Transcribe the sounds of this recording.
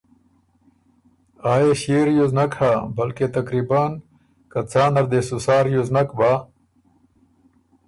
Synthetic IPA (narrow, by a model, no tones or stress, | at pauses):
aːeɕeːɾjuznɐkʰhaːbɐlket̪ɐkɾibaːn | kɐt͡saːnɐɾd̪esusaːɾjuznɐkbaː